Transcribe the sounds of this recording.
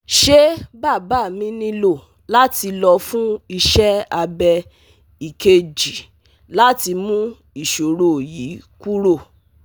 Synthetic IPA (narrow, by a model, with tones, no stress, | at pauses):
ʃe˦ba˦˨ba˦˨mĩ˦nĩ˦lo˦˨ | la˦ti˧lɔ˧fũ˦i˧ʃɛ˦a˧bɛ˧ | i˨ke˧d͡ʒi˨ | la˦ti˧mũ˦ | i˦˨ʃo˨ɾo˨ji˨˦ku˦ɾo˦˨